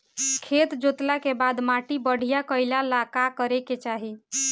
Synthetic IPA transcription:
kʰet̪d͡ʒot̪lakebad̪maʈibəɽ̤ijakəɪlalakakəɾeket͡ʃaɦi

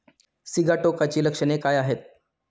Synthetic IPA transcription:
siɡaʈokat͡ɕiːləkʂənekajaɦet̪̚

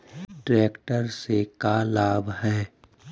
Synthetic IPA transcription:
ʈɾɛːkʈəɾsekalaːbɦɛː

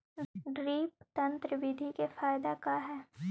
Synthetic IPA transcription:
ɖɾiːpt̪ɐ̃nt̪ɾəʋɪd̪ʱikefaːjd̪akaɦɛː

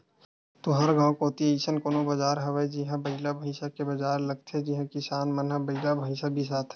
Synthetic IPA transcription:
t̪oɦɐɾɡãːkoːt̪ieiːsənkonobɐd͡ʒaːɾɦɐʋəjd͡ʒɪɦãbɐɪlabʱɐɪsakebɐd͡ʒaːɾlɐɡ̚t̪ʰɛd͡ʒɪɦãkɪsaːnmɐnɦəbɐɪlabʱɐɪsabʱis̬aːt̪ʰɛ

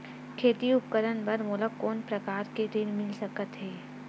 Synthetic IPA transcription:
kʰeːt̪iʊp̚kəɾənbəɾmoːləkːoːnpɾɐkaːɾkeɖ̪ɪnmɪlsɐkət̪ɦɛː

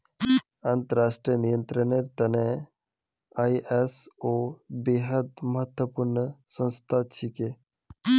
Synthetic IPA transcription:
ɐnt̪əɾaːʂʈɾijənijənt̪ɾəneɾt̪ɐne | aiesobeɦəd̪məɦət̪wəpuɾɳəsə̃nst̪ʰat͡ʃʰike

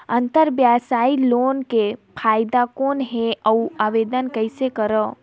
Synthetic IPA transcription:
ənt̪əɾbjasaːiloːnkepʰaːjd̪akoːnɦeəuaʋed̪ənkəɪsekəɾə

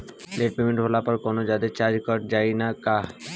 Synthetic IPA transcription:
leʈ̚pemeɳʈɦolapɔɾkɔnod͡ʑad̪et͡ɕaɾd͡ʑkɔɾ̚d͡ʑajnaka

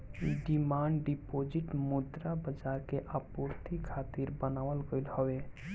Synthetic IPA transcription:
ɖimaɳɖɖipod͡ʒiʈmud̪ɾabəd͡ʒaɾkeʔapuɾt̪ikʰat̪iɾbənawəlɡəjlhɔwe

